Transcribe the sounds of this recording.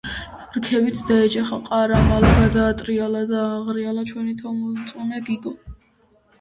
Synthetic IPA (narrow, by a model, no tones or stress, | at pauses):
ɾkʰɛbit̪ʰd̪aɛt͡ʃʼaχaqʼaɾamalaɡad̪aːt̪ʼɾialad̪aːʁɾialat͡ʃʰwɛnit̪ʰamɔt̪sʼunaɡiɡɔ